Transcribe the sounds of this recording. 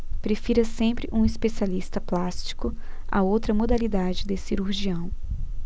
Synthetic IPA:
pɾefiɾɐsẽpɾɪʔũispesialist̪ɐplast͡ʃi̥kʊɐ̰owt̪ɾɐmod̪alid̪ad͡ʒɪd̪ɪsiɾuɾʒiɐ̃w̃

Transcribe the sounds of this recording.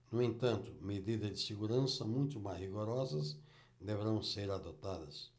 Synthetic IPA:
nʊẽnt̪ɐ̃nt̪ʊmed̪id̪ɐzd͡ʒ̪ɪseɡuɾɐ̃sɐmũj̃t̪ʊmazhiɡoɾɔzɐs | d̪eveɾɐ̃w̃seɾad̪ot̪ad̪ɐs

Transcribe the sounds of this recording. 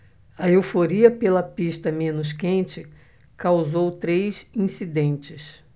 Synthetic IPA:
ɐewfoɾiɐpelɐpiʃt̪ɐmẽnʊs̬kẽnt͡ʃɪ | kawzowt̪ɾejsĩsid̪ẽnt͡ʃɪs

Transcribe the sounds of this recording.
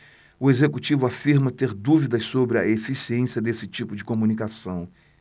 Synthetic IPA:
ʊezekut͡ʃivʊafiɾmɐt̪eɾd̪uvid̪ɐssobɾɪɐ̰efisiẽsiɐd̪esɪt͡ʃipʊd͡ʒɪkomũnikasɐ̃w̃

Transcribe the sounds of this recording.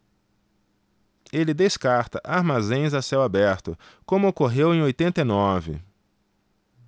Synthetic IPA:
elɪd̪eskaɾt̪ɐʔaɾmazẽj̃zasɛwabɛɾt̪ʊ̰kõmʊokoɦewẽj̃ojt̪ẽnt̪ejnɔvɪ̰

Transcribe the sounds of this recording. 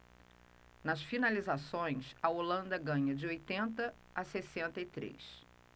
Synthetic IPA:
nɐsfinalizasõj̃sɐolɐ̃nd̪ɐɡɐ̃ɲɐd͡ʒɪojt̪ẽnt̪ɐ | asesẽnt̪ɐɪt̪ɾḛs

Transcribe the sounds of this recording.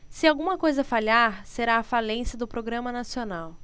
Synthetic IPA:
sɪawɡũmɐkojzɐfalaɾseɾaːfalẽsɐd̪ʊpɾoɡɾɐ̃mɐnasionaw

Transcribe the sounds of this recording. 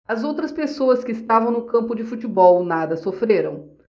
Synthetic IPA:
ɐzowt̪ɾɐspesoɐskɪːst̪avɐ̃w̃nʊkɐ̃mpʊd͡ʒɪfut͡ʃibɔwnad̪ɐsofɾeɾɐ̃w̃

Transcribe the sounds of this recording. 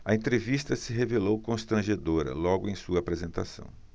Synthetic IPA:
ɐẽnt̪ɾevist̪ɐsɪɦevelowkõst̪ɾɐ̃ʒed̪oɾɐ̰lɔɡʊẽj̃suɐaːpɾezẽnt̪a̰sɐ̰̃w̃

